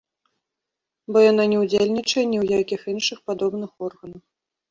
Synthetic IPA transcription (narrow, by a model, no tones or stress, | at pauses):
bɔjananʲɛwd͡zʲelʲnʲit͡ʂɐjɛnʲɛwjakʲixinʂɨxpad̪ɔbnɨxɔrɣɐnɐw